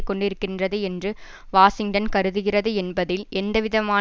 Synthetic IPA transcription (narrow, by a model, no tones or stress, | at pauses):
kːɔɳɖɪɾɯkːɪndrɐðɯɛndrɯ | ʋaːsɪŋʈɐnkɐɾɯðɯɣɪrɐðɯɛnbɐðɪlʔɛnd̪ɐʋɪðɐmaː